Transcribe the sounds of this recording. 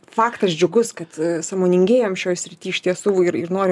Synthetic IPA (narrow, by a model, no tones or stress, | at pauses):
fɑːkt̪ɐsd͡ʒʲʊɡʊskɐt̪sɑːmoːnʲɪŋʲɡʲeːjoːmʃʲoːjsʲɾʲɪt̪ʲiːɪʃʲt̪ʲiɛsuːɪɾɪɾnoːɾʲ